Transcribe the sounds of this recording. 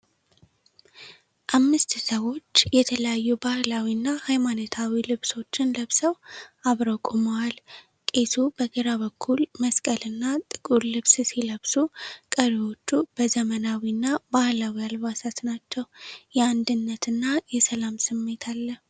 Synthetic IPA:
ʔamːɨst̪səwo̞t͡ʃːjɛt̪ʰələjajːubahlawinːahajmanət̪ʰawilɨβso̞t͡ʃːɪnləβsəwaβɾəkʼuməwal | kʼe̞t̪ʰubəɡɨɾaβəkʰːulməskʼəlɨnːat̪ʼɨkʼuɾlɨβssiləβsukʼəɾiwo̞t͡ʃːub̥əzəmənawinːabahlawialβasat̪nat͡ʃːɛwjɛand̪ɨnːət̪ɨnːajɛsəlamsɨmːe̞t̪ʰalːəh

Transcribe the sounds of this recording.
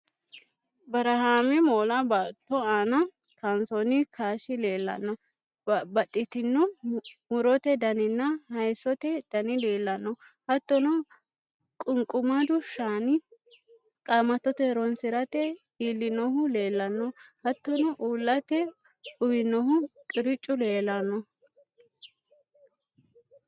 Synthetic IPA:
bɐɾɐhaːmɪmoːlɐbaːt̪ːɔaːnɐ | kɐnsɔnɪkʰaːʃɪle̞ːlːɐ̰nːɔ | bɐt̪ʼːɪt̪ɪnːɔmʊɾɔt̪ɛd̪ɐnɪnːɐhɐjsɔt̪ɛd̪̥ɐnɪle̞ːlːɐnːɔ | hɐt̪ːɔnɔ | kʼʊŋkʼʊmɐd̪ʊʃaːnɪ | kʼaːmɐt̪ːɔt̪ɛɾɔnsɪɾɐt̪ɛhiːlːɪnɔhʊle̞ːlːɐnːɔhɐt̪ːɔnɔʔuːlːɐt̪ɛ | ʊbɪnːɔhʊkʼɪɾɪt͡ʃʼːʊle̞ːlɐnːɔ

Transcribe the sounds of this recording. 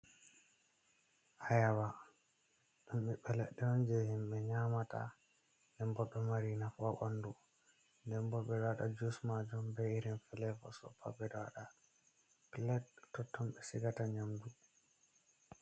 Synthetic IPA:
ʔajawa | ɗumɓiɓɛlɛɗːɛɔnd͡ʒɛhimɓɛɲamata̰ | nɛmbɔɗːɔmaɾinafɔɓandu | ndɛmbɔbɛdaɗa̰d͡ʒusmad͡ʒumbɛiɾinfɛlɛfɔ̰sɔ̰pʰa̰bɛdaɗa | pilɛttːɔtʰːɔmɓɛsiɡataɲamɡu

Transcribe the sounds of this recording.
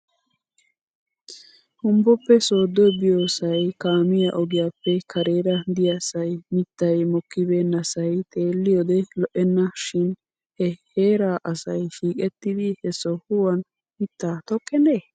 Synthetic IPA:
hʊmbɔpːɛso̞ːd̪ːɔjbɪjoːsɐjkaːmɪjɐʔɔɡɪjaːpːɛkʰɐɾe̞ːɾɐd̪ɪjasɐjmɪt̪ːɐjmɔkːɪbeːnːɐsɐjt̪ʼe̞ːlːɪjɔd̪ɛlɔʔɛnːɐʃɪn | hɛheːɾaːʔɐsɐjʃiːkʼɛt̪ːɪd̪ɪhɛsɔhʊwɐn | mɪt̪ːaːt̪ɔkʼːɛneː

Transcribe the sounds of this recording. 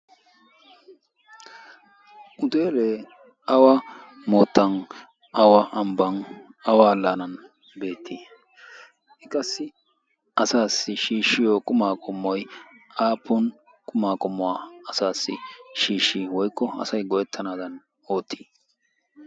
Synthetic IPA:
ʔʊt̪eːleː | ɐwɐ | moːt̪ːɐn | ɐwɐʔɐmbɐnɐwaːlːanɐn | be̞ːt̪ʰːi | ɛkʼɐsːɪ | ɐsaːsːɪʃiːʃːɪjokʼʊmaːkʼʊmːɔj | aːpːʊn | kʼʊmaːkʼʊmːɔwaːɐsaːsːɪʃiːʃːiwɔjkːɔɐ̰sɐjɡɔjɛt̪ʰːɐnaːd̪ɐn | o̞ːt̪ʰːi̥ː

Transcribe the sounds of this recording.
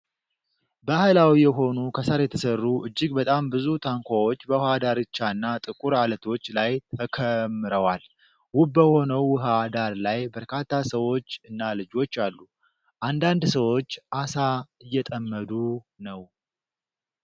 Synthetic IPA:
bəhajlawijɛɦo̞nukʰəsaɾjɛt̪ʰəsərːuʔɨd͡ʒːɪɡbət̪ʼambɨzut̪ʰaŋkʷʰawo̞t͡ʃːbəwʊhad̪aɾɨt͡ʃːaɨnːat̪ʼɨkʼuɾalət̪ʰo̞t͡ʃːlajt̪ʰəkʰəmːɨɾəwal | wʊbːəho̞nəwːʊɦad̪aɾlajbəɾkʰat̪ʰːasəwo̞t͡ʃːɨnːalɨd͡ʒo̞t͡ʃːalːu | ʔand̪and̪səwo̞t͡ʃːʔasaɨjːɛt̪ʼəmːəd̪u | nəw

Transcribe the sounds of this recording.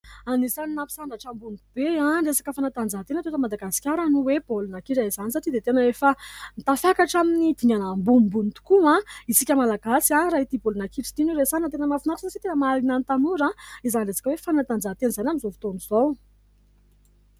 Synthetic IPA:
anizaninapi̥saɳɖ͡ʐaʈ͡ʂambund̪ub̥eãɳɖ͡ʐesḁkəfanat̪and͡zaɦt̪enət̪et̪əmad̪aɡasi̥kʲaɾənuweb̥olunakiʈ͡ʂaizanisaʈ͡ʂid̪et̪enəefanit̪afakaʈ͡ʂaminid̪̥iŋanambumbunt̪u̥kuãisikʲəmalaɡasiarait̪ibolunakiʈ͡ʂi̥t̪inuɾesanət̪enəmafunaʈ͡ʂəsaʈ͡ʂit̪enəmaalinanit̪anuɾaizaniresḁkəwefanat̪and͡zat̪enizanʲamizovi̥t̪oniz̥ow

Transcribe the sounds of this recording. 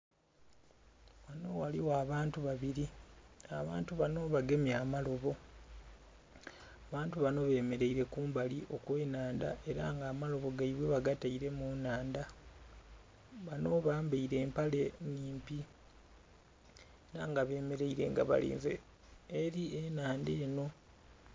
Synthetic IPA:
wano̞waliwaːβaːntuβaβiɾiaβa̰ːntuβano̞βaɡe̞mjaːmalo̞βo̞ | aβaːntuβano̞βe̞ːme̞ɾe̞iɾe̞kuːmbaliʔo̞kwe̞ːnaːnda̰ʔe̞ɾa̰ŋɡaːmalo̞βo̞ɡaiβweβaɡataiɾe̞munaːnda | βano̞βaːmbeiɾe̞ːmpale̞niːmpi | eɾaŋɡaβe̞ːme̞ɾe̞iɾe̞ŋɡa̰βa̰lḭːnzḛː | ɾienaːnde̞ːno̞

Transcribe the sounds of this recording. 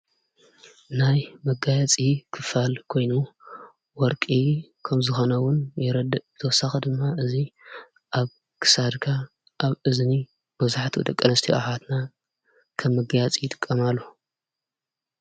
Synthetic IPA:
najmɐɡajat͡sʼikʰɨfalkʰo̞jnu | wɔɾkʼikʰɐmzɨxo̞nɐwʊnjɪɾɐd̪ɐbɨt̪ʰɐwɔsaxɐd̪ɨmːaʔɨzi | ʔaβ | kʰɨ̥sad̪kʰa | ʔaβɨzni | bɐzaħt̪ʰiw̰d̪ɐkʼːɐnɐst̪ʰiʔa̰ħat̪na | kʰɐmːɨɡjat͡sʼijɪt̪ʼɨ̥kʼːɐmalːo

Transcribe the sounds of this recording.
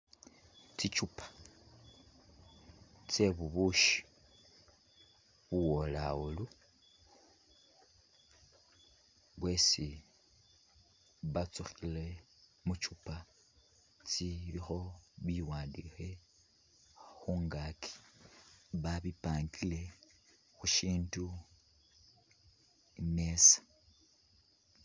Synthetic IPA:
t͡sit͡ʃupḁ | t͡se̞βuβuʃi̥ | βuwo̞laulu | βwe̞si | βat͡suxile̞ | mut͡ʃupa | t͡siβixo̞βiwaːndixe̞ | xuːŋɡakʰi̥ | βaβipaːŋɡile̞ | xuʃiːntu | ne̞sḁ

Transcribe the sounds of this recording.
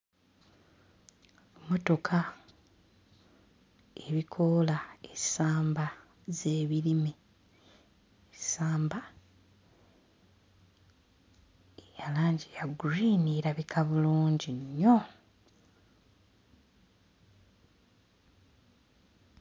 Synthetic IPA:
mo̞to̞kʰa | eβikʰo̞laesaːmba | ze̞ːβiɾime | esaːmba | ejalaːɲɟijaɡuɾiːniɾaβikʰaβuluːɲɟiɲːo̞

